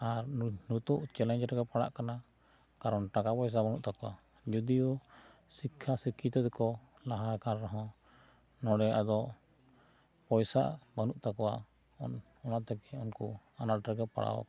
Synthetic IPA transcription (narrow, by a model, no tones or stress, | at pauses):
aɾnut̪uʔt͡ʃɛlɛɲd͡ʒɾɛɡɛpaɽa̰ʔkana | kaɾɔnʈakapɔjs̬abanuʔt̪akɔwa̰ | d͡ʒud̪ijɔ | sikʰːasikʰːit̪ɔd̪ɛkɔ | laɦakaɾɾɔɦɔ̃ | nɔɽɛʔad̪ɔʔ | pɔjsa̰banuʔt̪akɔwa̰ | ɔ̰n | ɔnat̪ɛkɛunku | anaʈɾɛɡɛpa̰ɽa̰wa̰